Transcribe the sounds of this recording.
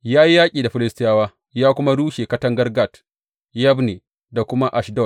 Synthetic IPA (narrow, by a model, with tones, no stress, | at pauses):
jaː˦ji˦jaː˦kʲʼiː˨da˨ɸɪ˦lɪ˦stɪ˦jaː˦waː˦ | jaː˦kʷʊ˦ma˦ɽuː˦ʃe˨kɐ˦tɐ˦ŋɡɐ˦rɡa˦˨t | jɐ˦bne˨ | da˨kʷʊ˦ma˦ʔa˨ʃdɔ˦˨t